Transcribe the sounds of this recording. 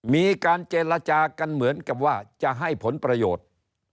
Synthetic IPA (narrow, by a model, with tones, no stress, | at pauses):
miː˧kaː˧nt͡ɕeː˧la˧t͡ɕaː˧ka˧nmɯ˩˦ənka˨˩p̚waː˥˩t͡ɕa˨˩ʔɦa˥˩jpʰo˩˦npɾa˧joː˨˩t̪̚